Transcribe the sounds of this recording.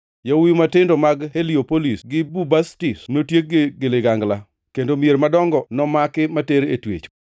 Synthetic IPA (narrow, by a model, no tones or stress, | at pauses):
jawimatɪndomaɡheliopolisɡɪbubastisnotjek̚ɡeleɡaŋɡla | kendomjeɾmadɔŋɡɔnɔmakɪmateɾetwḛt͡ʃ